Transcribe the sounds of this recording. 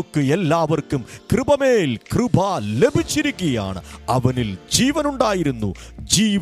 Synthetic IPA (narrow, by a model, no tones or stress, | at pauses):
kːɨelːaːʋɐrkumkrɨbɐme̞ːlkrɨbʱɐle̞bʱit͡ɕːiɾukʲːɐja̰ːɳɨ̰ɐʋɐnild͡ʑiːʋɐnuɳɖaːjiɾunːṵd͡ʑiːʋ